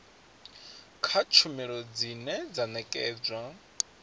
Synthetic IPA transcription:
kʰat͡ʃʰumiɺɔd͡zinɛd͡zanɛkʼɛːd͡zwa

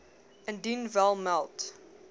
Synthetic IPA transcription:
ə̃ndinvɛlˠmalˠt

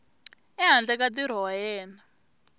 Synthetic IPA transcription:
ɛɦand͡ɮɛkatiɾ̤ɔwajɛːna

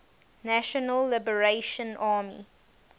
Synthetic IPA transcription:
næʃɔnəlːɪbəɹeʃə̃nʔaːmḭ

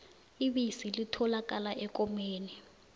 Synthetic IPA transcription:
iɓisilitʰɔlak̬ʼalaʔɛkomeːni

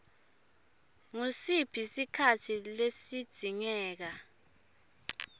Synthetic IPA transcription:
ŋusib̥ʰʱisikʰatʰilesid̥z̥ʱiŋɛːk̬a

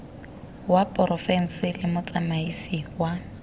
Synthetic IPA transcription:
wapʼɔrɔfɛn̩sɪlɪmʊt͡sʼamaisiwa

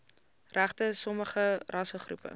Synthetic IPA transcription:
ræχtəsɔməχərʔɐsəχrṵpə̰

